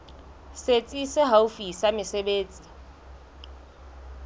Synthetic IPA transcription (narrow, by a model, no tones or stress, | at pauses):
set͡sʼisɪɦaufisamɪsebeːt͡sʼi̥